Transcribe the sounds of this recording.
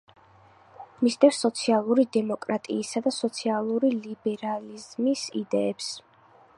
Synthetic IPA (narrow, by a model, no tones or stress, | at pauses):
misd̪ɛfsːɔt̪sʰialˠuɾid̪ɛmɔkʼɾat̪ʼḭːsad̪asɔt̪sʰialˠuɾilibɛɾalizmisḭd̪ɛɛps